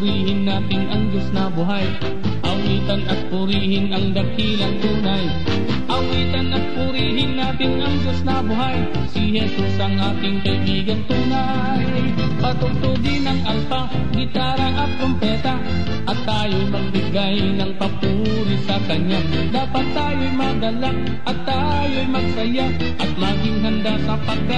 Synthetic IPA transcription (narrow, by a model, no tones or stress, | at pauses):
ɾiːɦɪnːaːt̪ɪnʔɐŋd͡ʒʊsnɐbʊɦaj | ʔɐwiːt̪anʔɐt̪̚pʊɾiːhɪnɐŋd̪ɐkiːlɐŋt̪uːnaj | ʔɐwiːt̪anʔɐt̪̚pʊɾiːɦɪnːaːt̪ɪnʔɐŋd͡ʒʊsnɐbʊɦaj | sɪhɛsusʔɐŋʔaːt̪ɪŋk̪ɐjbiːɡɐnt̪uːna | j | pɐt̪ʊɡ̚t̪ʊd̪ɪnɐŋʔɐlpa | ɡɪt̪aːɾaʔɐt̪̚pɾʊmpɛːt̪a | ʔɐt̪ːaːjojmɐɡ̚bɪɡaj | nɐŋpɐpu | ɾɪsɐkɐɲa | d̪aːpat̪ːaːjojmaɡɐlak̚ | ʔɐt̪ːa | jojmɐɡ̚sɐja | ʔɐt̪̚maɡɪŋɦand̪asɐpɐɡ̚ka